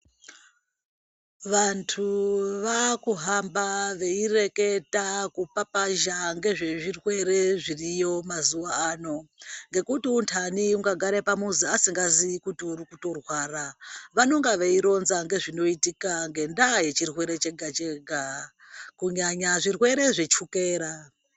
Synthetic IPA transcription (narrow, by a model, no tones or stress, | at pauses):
ʋantʰuʋakuɦambaʋe̞ire̞ke̞takupapaʒaŋɡe̞ʐe̞ʐirwe̞re̞ʐirijo̞mazuʋaaːno̞ŋɡe̞kutiuntʰaniuŋɡaɡʱaɾepamuziasiŋɡaziikutiurikuto̞rwaːraʋano̞ŋɡaʋe̞iɾo̞nzaŋɡe̞ʐino̞itikaŋɡe̞ndaje̞t͡ʃirwe̞ɾe̞t͡ʃe̞ɡʱat͡ʃeɡʱa | kuɲaɲaʐirwe̞ɾe̞ʐe̞t͡ʃukeːɾa